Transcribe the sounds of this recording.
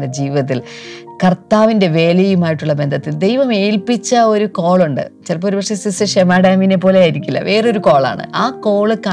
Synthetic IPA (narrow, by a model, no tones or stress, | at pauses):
ɐd͡ʑiːʋɐt̪̬ːilkɐrt̪aːʋinde̞ʋe̞ːlɐjumaːjiʈːuɭːɐbe̞nd̪ʱɐt̪ːild̪e̞jʋɐme̞ːlpit͡ɕːɐo̞ɾuko̞ːɭuɳɖɨ̰t͡ɕɐrp̬ːoːɾupɐʂesisɨʂemaːɽaːmine̞p̬ːo̞ːle̞aːjiɾikʲːulːɐ̰ʋʔe̞ːrɨo̞ɾuko̞ːɭa̰ːɳɨ̰ʔaːko̞ːɭɨkɐ